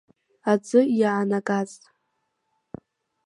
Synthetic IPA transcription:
ad͡zʷɨjaʕanakʼat͡sʼ

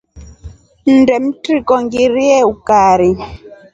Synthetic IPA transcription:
n̩dɛm̩tɾikɔŋɡiɾiɛukaːɾi

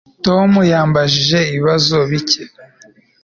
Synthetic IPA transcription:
to̞mujaːmbaʒiʒe̞iiβazo̞βice

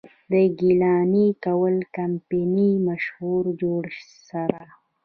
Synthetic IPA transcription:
d̪əɡilɑːnikawəlkampinimaʃhuɾd͡ʒoɽ | saɾa

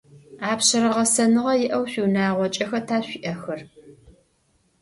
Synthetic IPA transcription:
aːpɕɐɾɐʁɐsɐnɨʁɐjɪʔɐwɕʷiwnaːʁʷɔt͡ʃʼɐxɐtʰaːɕʷiʔɐxɐr

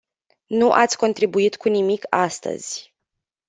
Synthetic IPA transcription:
nuʔat̪sʲko̞nt̪ɾibuit̪kunimikast̪ə̰z̥ʲ

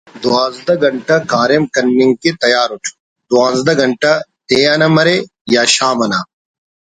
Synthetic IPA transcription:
d̪owaːzd̪ɐɡɐɳʈɐkaːɾemkɐnːɪ̃ŋɡ̚ket̪ɐjaːɾʊʈʰ | d̪oãːzd̪ɐɡɐɳʈɐt̪eːɐnɐmɐɾe | jaːʃaːmɐna

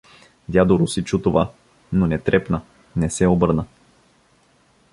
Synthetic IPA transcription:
vʲjad̪oɾʊsit͡ʃut̪ova | nonɛt̪ɾɛpnə | nɛsɛobɤɾnə

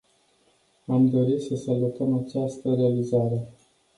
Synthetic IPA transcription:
amd̪o̞ɾisəsalut̪əmat͡ʃast̪əɾe̞alizaɾe̞

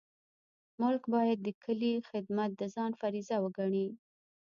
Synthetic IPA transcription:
mʊlkbɑjad̪̚ːəkʰəlixɪd̪mat̪̚d̪əzɑnfaɾizawəɡaɳi

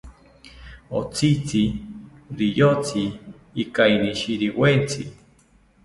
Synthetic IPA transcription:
o̰t͡sʰit͡sʰi | ɾijot͡siː | kainiʃiɾiwent͡sʰi

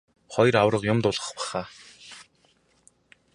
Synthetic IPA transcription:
χɔjrawrə̆qjʊmt̪ʊɮʁə̥̆χpæ̥χaː

